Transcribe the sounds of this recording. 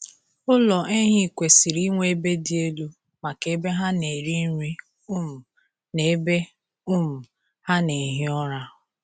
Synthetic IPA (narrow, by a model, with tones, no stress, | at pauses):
ʊ˦lɔ˨ʔe˦ɦi˦˨kʷe˨si˨ɾi˦ŋʷe˦e˦be˦di˦e˦lu˦ | ma˨ke˨˦be˦ɦa˦ne˨ɾi˦n̩˦ɾʷi˦˨ | ne˨˦be˦ | ʊ˦m̩˨ | ha˦ne˨ɦɪ˦ɔ˦ɾa˦